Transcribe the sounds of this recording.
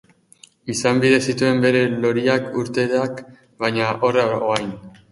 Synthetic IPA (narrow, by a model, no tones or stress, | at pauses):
isambiðe̞sit̪ue̞mbe̞ɾe̞lo̞ɾiakuɾt̪e̞ðak | bajɲaʔoraoajn